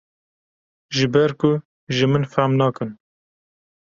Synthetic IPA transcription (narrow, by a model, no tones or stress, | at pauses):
ʒɨbɛɾkʊ | ʒɨmɨnfæmnɑːkɨn